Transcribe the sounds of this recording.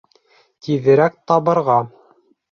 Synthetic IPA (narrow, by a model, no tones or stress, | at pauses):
t̪iðɘ̆ɾæk̚t̪ɑβɤ̆ɾʁɑ